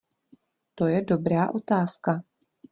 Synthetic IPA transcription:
t̪ojɛdobɾaːʔo̞t̪aːska

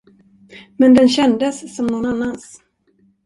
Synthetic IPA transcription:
mɛnd̪ɛnɕɛnd̪əsːɔmnɔnanːans

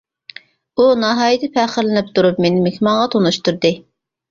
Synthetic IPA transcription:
unɑɦɑːjit̪ʰɪpʰæχəɾlɪnɪpt̪uɾupmenɪmehmɑŋʁɑt̪ʰonuʃt̪uɾd̪ɨ

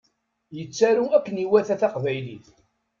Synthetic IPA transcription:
jət͡sːæɾuækːəniwæθæθɑqvæjliθ

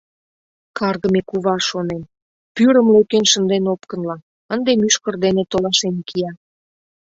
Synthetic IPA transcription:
kɑrɣəmekuβɑʃonen | pyɾə̆mløkenʃə̆nd̪enopkənlɑ | ənd̪emyʃkə̆rd̪enet̪olɑʃenkʰiɑ

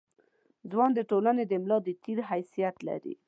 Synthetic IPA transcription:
zwɑnd̪əʈolaned̪əɪmlɑd̪ət̪iɾɦajsijat̪la̰ɾḭ

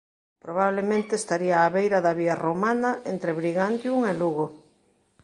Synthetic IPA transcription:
pɾoβaβlemẽnt̪eːst̪aɾiaːβejɾaðaβiaromanaʔent̪ɾeβɾiɣand̪juŋeluɣo

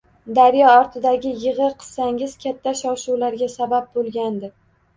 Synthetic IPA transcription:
d̪aɾjɒɒɾt̪ʰɪd̪aɡʲɪjɨʁɨqʰɨ̥zsaŋɪzkʲʰat̪ʰːaʃɒwʃuwlaɾɡʲasabab̚bolˠɡʲand̪ɪ

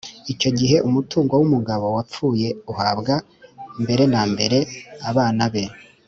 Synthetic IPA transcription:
ico̞ɟiɦe̞ʔumutuːŋɡo̞wumuɡaβo̞wap͡fuːje̞uhabɡa | imbe̞ɾe̞nambe̞ɾe̞aβaːnaβe

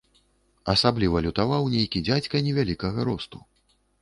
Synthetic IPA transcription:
ɐsablʲivɐlʲut̪avawnʲejkʲid͡zʲat͡sʲkɐnʲɛvʲalʲikɐɣɐɾɔst̪u

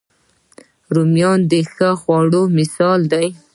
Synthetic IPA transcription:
ɾumjɑnd̪əxəxwɑɽomɪsɑld̪aj

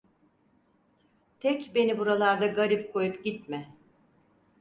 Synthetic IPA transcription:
t̪ʰɛcbe̞nibuɾalˠaɾd̪aɡaɾipkʰo̞jupɟit̪̚mɛ

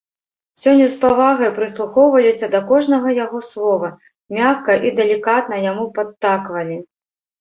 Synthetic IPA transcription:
sʲɔnʲːɐspavaɣɐjpɾɨslˠuxɔwvɐlʲisʲɐd̪ɐkɔʐnɐɣɐjaɣɔslˠɔvɐ | mʲakːɐʔid̪ɛlʲikat̪nɐjamupat̪ːakvɐlʲi

